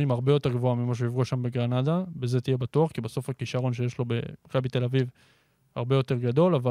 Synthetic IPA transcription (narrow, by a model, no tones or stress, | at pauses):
imaʁbejo̞t̪e̞ʁɡvo̞amimaʃ̬eivʁuʃambe̞ɡʁanadabe̞ze̞t̪ije̞bat̪uaχkibaso̞fakiʃaʁo̞nʃe̞jeʃlo̞bḛmakabit̪e̞laviv | ha̰ʁbe̞jo̞te̞ʁɡado̞lava